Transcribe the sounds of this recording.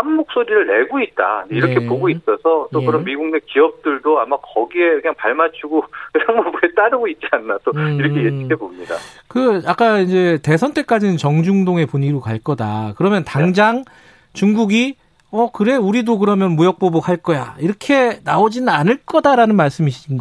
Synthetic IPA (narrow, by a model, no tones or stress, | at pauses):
hamːok̚s͈oɾiɾɯɭne̞ɡoit̚t͈a̰d͡ʑeiɾʌkʰe̞poɡois͈ʌsʰʌt͈okɯɾʌmmiɡuŋne̞kiʌp̚t͈ɯɭdoamakʌɡie̞kɯɲaŋpaɭmat͡ɕʰuɡokɯɾanmobuet͈aɾɯɡoit̚t͡ɕ͈ianːat͈oiɾʌkʰejet͡ɕʰi̥kʰepomɲida̰kɯak͈aind͡ʑe̞te̞sʰʌnt͈ʰe̞k͈ad͡ʑinɯnt͡ɕʌŋd͡ʑuŋdoŋe̞puɲiɾokaɭk͈ʌdakɯɾʌmjʌntaŋd͡ʑaŋ | t͡ɕuŋɡuɡi | ʌkɯɾe̞uɾidok̬ɯɾʌmjʌnmujʌk̚p͈obokhaɭk͈ʌjaiɾʌkʰe̞naod͡ʑinɯnanɯɭk͈ʌdaɾanɯnmaɭs͈ɯmiɕʰinɡʌ